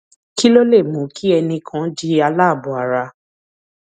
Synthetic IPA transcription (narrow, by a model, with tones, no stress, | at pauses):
ki˦lo˦le˦˨mũ˨˦kʰi˦ɛ˧nĩ˧kʰã˨˦d͡ʒi˦a˧la˦˨bu˨a˨ɾa˧